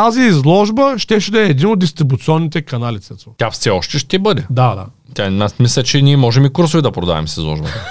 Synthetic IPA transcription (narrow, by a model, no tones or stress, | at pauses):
t̪aziːzlˠɔʒbəʃt̪ɛʃɛd̪ɛɛːd̪inod̪ist̪ɾibut̪siɔnːit̪ɛkɐnalʲit̪sɛt̪o̥t̪ʲjafsɛɔʃt̪ɛʃt̪ɛbɤd̪ɛd̪ad̪a̰ | t̪ʲanasmislʲɛt͡ʃɛniɛmɔʒɛmikuɾsovid̪ɐpɾod̪a̰vɛ̰msizlˠɔ̰ʒbɐt̪ə